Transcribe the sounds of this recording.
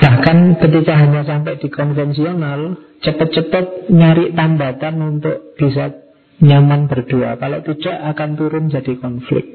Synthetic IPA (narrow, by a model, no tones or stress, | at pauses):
b̥ahkankət̪ikaɦaɲas̬ampɛʔd̥i̤kɔnfɛnsional | t͡ʃəpət̪̚t͡ʃəpət̪̚ɲaɾɪʔt̪ambat̪anunt̪ʊʔb̥is̬a | ɲamanb̥ərd̪̥ua̰kaloʔt̪id̥a̤ʔakant̪uɾʊnd͡ʒadikɔnflɪ̰k̚t̪̚